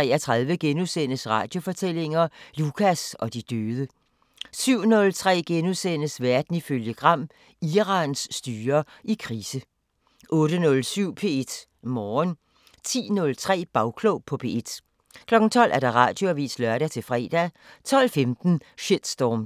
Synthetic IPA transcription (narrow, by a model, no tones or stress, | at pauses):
t͡sɛ̰ːɐt͡sʰʁɑ̈ð̞ˠʋəɡ̥enuðˠsen̰əsʁɑ̈ːd̥jo̝fɒ̽t͡sʰel̰e̝ŋɐlukʰæsɒ̽d̥id̥øːð̞ˠə | syʊ̰nɔ̽lt͡sʰʁɛ̰ːɡ̥enuðˠsen̰əsʋæɐd̥n̩iføljəɡ̥ʁɑ̈m̰ | iʁɑ̈nsːd̥yːɐ | ʔikʰʁiːsə | ʔɔ̽ːɾ̥ənɔ̽lsyʊ̰pʰe̝e̝d̥ | mɒːn | t͡sʰḭːnɔ̽lt͡sʰʁɛ̰ːb̥ɑ̈ʊkʰlɔʊpʰɒ̽pʰe̝e̝d̥ | kʰlɒ̽ɡ̥n̩t͡sʰɒ̽l̰ʔæɐɾ̥ɑ̈ʁɑ̰̈ːd̥jo̝æʋḭːslœɐɾæt͡sʰe̝lfʁɛ̰ːd̥æ | t͡sʰɒ̽l̰femd̥n̩ɕed̥sd̥ɒːm